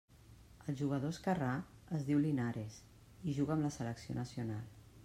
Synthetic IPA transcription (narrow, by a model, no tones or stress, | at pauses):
əlˠʒuɣ̞əðoskəra | əzðiwlinaɾes | iʒuɣəːmləsələksio̰nəsiunalˠ